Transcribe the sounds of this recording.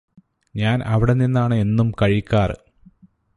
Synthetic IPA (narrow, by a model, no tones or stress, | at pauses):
ɲaːnʔɐʋiɽenːinːaːɳɨe̞nːumkɐɻikʲːaːr